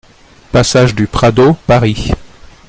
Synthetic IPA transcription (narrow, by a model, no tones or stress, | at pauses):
pasaʒd̪ypχad̪opaʁi